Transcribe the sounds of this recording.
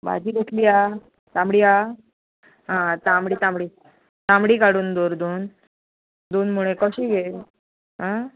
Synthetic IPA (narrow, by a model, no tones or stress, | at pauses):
ba̰d͡ʑiːd̪oʈʰliːa | t̪ãmɽiːa | ɦãt̪amɽiːt̪ãmɽiː | t̪ãmɽiːkaɽuːnd̪oɾd̪on | d̪oːnmuɭekɔɕiːɡel | ɦã